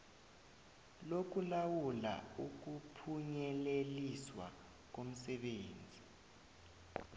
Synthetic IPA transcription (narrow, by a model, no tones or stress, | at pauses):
lok̬ulawula̰uk̬upʰuɲɛleliswa̰ | k̬om̩sɛɓeːnd͡zʱi